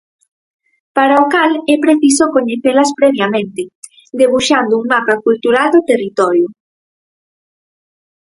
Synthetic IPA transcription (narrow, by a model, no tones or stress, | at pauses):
paɾaokalɛpɾeθisokoɲeθelaspɾɛβjamẽnt̪e | d̪eβuʃand̪ouŋmapakult̪uɾald̪ot̪erit̪ɔɾjo